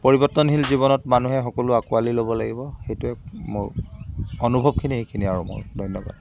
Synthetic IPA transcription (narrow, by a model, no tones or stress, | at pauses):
poɹibɔtːɔnɦilziβɔnɔtmanuɦɛxɔkɔlʊakualilobɔlaɡibɔxejtʊɛkmoɹ | ɔnubʱɔb̚kʰiniɦekʰiniaɹumʊ̰ɹdʱɔjnːɔba̰d